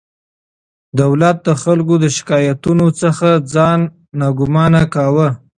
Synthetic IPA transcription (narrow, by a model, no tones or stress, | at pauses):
d̪awlat̪̚d̪əxalkod̪əʃɪ̥kɑjat̪unot͡səxad͡zɑnː | ɑɡʊmɑnakɑwə